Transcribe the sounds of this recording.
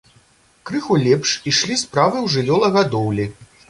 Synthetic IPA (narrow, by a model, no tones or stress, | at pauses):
kɾɨxulʲɛpʂiʂlʲispɾavɨwʐɨlʲɔlˠɐɣad̪ɔwlʲi